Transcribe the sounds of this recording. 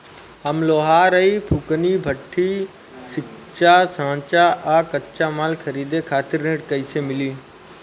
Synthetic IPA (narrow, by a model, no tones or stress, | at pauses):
əmloːɦaːɾəipʰukəniːbʱəʈʰːiː | sɪk | t͡ʃaːsãːt͡ʃaʔaːkətt͡ʃamaːlkʰəɾiːd̪ekʰaːt̪ɪɾːẽːʈkəisemɪliː